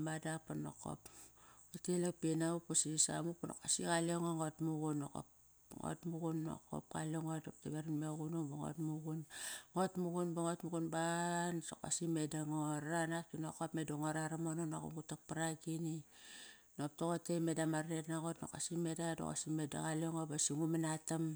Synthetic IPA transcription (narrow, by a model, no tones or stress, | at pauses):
madapano̰ko̰putelekpinaupusisa̰mupono̰kasikaleŋoŋotmuɡunːoko̰p | ŋo̰tmuɡunːo̰ko̰p̚ka̰loŋodop̚teβeɾanmeɣunoboŋo̰tmuɡunŋotmuɡunbaŋotmuɡunbanso̰ka̰simedaŋoɾanak̚tinokopmedoŋoɾaɾamonono̰ko̰mutak̚paɾaɡini | nop̚toɣotemedamaɾnetnaɣotno̰ka̰simedado̰ka̰simeda̰ɣaloŋobasiŋumanatam